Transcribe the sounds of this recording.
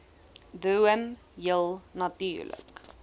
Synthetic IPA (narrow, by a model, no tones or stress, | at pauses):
duəm | jəlˠnɐtyːrlə̰k